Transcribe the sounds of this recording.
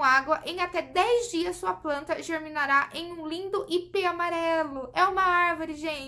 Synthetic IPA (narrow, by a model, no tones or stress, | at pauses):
aɡwɐʔẽj̃at̪ɛd̪ɛjzd͡ʒiɐssuɐplɐ̃nt̪ɐʒeɾminaɾaʔẽj̃ũlĩnd̪ʊʔipeamaɾɛlʊʔɛũmɐaɾvoɾɪʒẽt͡ʃ